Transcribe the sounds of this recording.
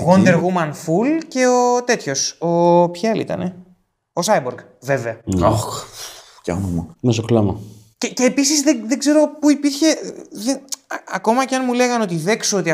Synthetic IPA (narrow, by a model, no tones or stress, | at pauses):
ɣond̪eɾɣumɐnfulce̞ot̪e̞t̪ço̞sopçaɐlḭt̪ɐ̰ne | osɐjboɾɡ | ve̞veɐɐx | cɐnɐmɐmesoklɐmɐ | ceceːpisizðeðeɡze̞ɾo̞puipiɾçe̞ðeɐko̞mɐceɐnmule̞ɣɐno̞t̪iðe̞ksoot̪iɐ